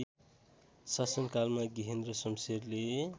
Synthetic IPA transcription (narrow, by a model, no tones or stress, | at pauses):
sasʌmkalmaɡiɦend̪rʌsʌmserle